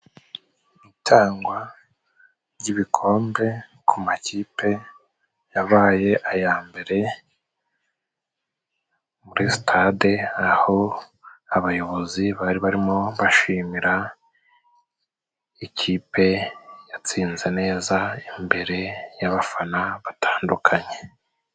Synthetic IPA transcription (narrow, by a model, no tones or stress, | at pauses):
itʰaːŋɡwa | ɾɟiβikʰo̞ːmbe̞kʰumaciːpʰe̞ | jaβaːje̞ʔajaːmbe̞ɾe̞ | muɾistʰadeaho̞ | aβajo̞βo̞ziβaɾiβaɾimo̞βaʃiːmiɾa | iciːpe̞jat͡siːnze̞ne̞ːzaimbe̞ɾe̞jaβafanaβatʰaːndukʰaɲe̞̥